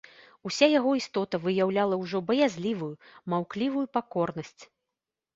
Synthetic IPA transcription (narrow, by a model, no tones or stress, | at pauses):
usʲajaɣɔist̪ɔt̪ɐvɨjawlʲalˠɐwʐɔbɐjazʲlʲivujumawklʲivujupakɔrnɐsʲt͡sʲ